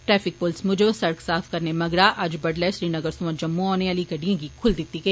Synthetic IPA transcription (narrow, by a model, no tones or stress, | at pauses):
ʈɾɛːfɪk̚pʊlsmʊd͡ʒosɐɽksaːfʰkɐɾnemɐɡɽaʔʔɐd͡ʒbɐɖlɛːʃɾiːnɐɡəɾsũmə̃d͡ʒɐmːũɔːneɐliɡɐɖijõːkikʰʊld̪ɪt̪ːike